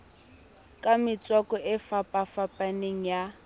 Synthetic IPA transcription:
kʼamɪt͡swakɔʔɪfapʼafapʼaneŋ̩ja

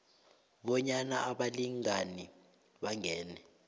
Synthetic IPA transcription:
ɓɔɲanaʔaɓaliŋani | ɓaŋɛːnɛ

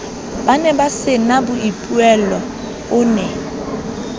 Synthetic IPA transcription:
banɛbasɪnabʊipʼuɛlɔ | ʊːnɛ

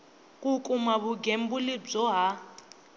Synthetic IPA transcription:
kʼukʼumaβuɡem̩bulib͡ʐɔɦa

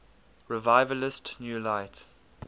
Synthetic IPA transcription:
ɹɪvaɪvəlɪstnjuːlaɪt

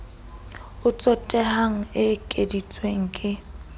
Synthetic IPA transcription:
ʊt͡sʼɔtʼɛhaŋ̩ɪkʼedit͡sʼweŋ̩kʼɪ

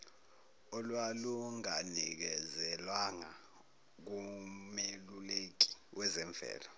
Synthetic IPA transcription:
ɔlwaluŋanik̬ɛzɛlwaŋa | k̬umelulek̬i̥wʔɛzɛɱvʱɛ̰ːlɔ

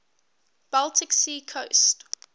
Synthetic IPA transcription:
b̥alˠtʰɪksiːkʰoʊst

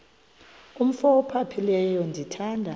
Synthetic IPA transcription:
um̩fɔɔpʰapʰilɛjɔndʱitʰaːndʱa

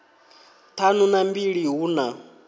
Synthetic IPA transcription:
t̪ʰanunambiɺiɦuːna

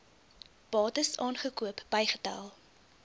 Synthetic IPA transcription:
b̥ɑːtəsɑːnχəkuəpb̥əjχətɐ̰lˠ

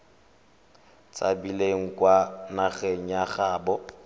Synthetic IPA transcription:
t͡sʼa̰bileŋ̩kwanaɣeŋ̩jaχaːbɔ

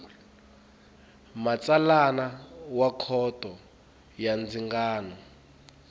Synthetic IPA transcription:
mat͡salanawakʰɔtʼɔ | jand͡ziŋɡaːnɔ

